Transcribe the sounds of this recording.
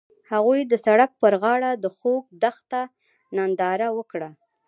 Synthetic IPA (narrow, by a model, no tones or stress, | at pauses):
haɣujd̪əsaɽak̚pəɾɣɑɽad̪əxok̚d̪axt̪a | nand̪ɑɾawəkɽa